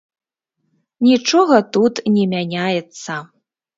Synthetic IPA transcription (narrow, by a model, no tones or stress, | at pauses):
nʲit͡ʂɔɣɐt̪ut̪nʲɛmʲanʲajɛt̪sːɐ